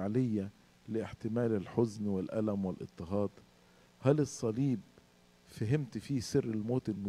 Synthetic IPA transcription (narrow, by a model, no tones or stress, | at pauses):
ʕlɪjːa | lɪʔɪħt̪ɪmæːlɪlħʊznwɪlʔæ̰læmwɪlʔɪ̰t̪ˤːɨɦɑːd̪ˤ | hælɪsˤːɑliːb̚ | faɦɪmt̪fiːsɪrːɪlmoːt̪ɪlmʊ